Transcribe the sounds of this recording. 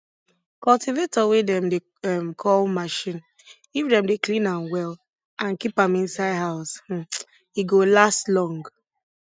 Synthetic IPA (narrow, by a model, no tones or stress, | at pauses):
kɔltivetɔwedɛ̃mde | ɛmkʰɔlmaʃĩn | ifdɛ̃mdeklĩnãnwɛl | ʔãnkipãmĩnsaɪdɦaʊsh̩ | iɡolastlɔ̃ŋɡ